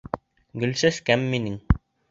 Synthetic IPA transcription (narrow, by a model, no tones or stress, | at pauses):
ɡɵ̆lsæskæmːinɘŋ